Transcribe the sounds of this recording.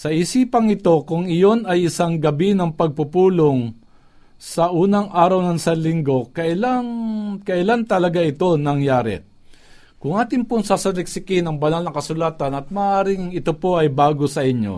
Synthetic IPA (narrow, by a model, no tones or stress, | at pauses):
sɐʔɪsiːpɐŋɪt̪o̞kʊŋɪjo̞nɐjʔɪsaŋɡɐbinɐŋpɐɡ̚pʊpuːloŋ | sɐʔuːnɐŋʔaːɾɐwnɐnsɐlɪŋɡo̞kɐʔɪlaŋkɐʔɪlant̪ɐlɐɡaʔɪt̪o̞nɐŋjaːɾɛ̰ | kʊŋʔaːt̪ɪŋpoŋsaːsɐlɛk̚sɪkɪnɐŋbɐnalnɐŋkɐsʊlaːt̪ɐnɐt̪̚mɐːʔaːɾɪŋɪt̪opo̞ʔɐjbaːɡosɐʔɪɲo̰